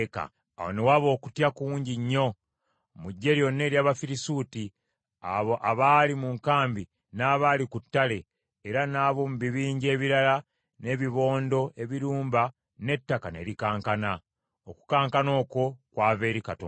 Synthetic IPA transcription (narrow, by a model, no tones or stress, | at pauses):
ka̰ | a̰wo̰newaβo̞ːku̥tjakuːɲɟiɲːo̞ | muɟːe̞ɾjo̞nːe̞ːɾjaːβafiɾisuːti | aβoʔaβaːlimuŋkaːmbi | naːβaːlikutːale̞ː | ɾanaːβo̞muβiβiːɲɟe̞ːβiɾala | ne̞ːβiβo̞ːndo̞ʔe̞βiɾuːmba | ne̞tːakane̞̰ɾikaːŋkana | oku̥kaːŋkano̞ːko̞kwaːβe̞ːɾikato̰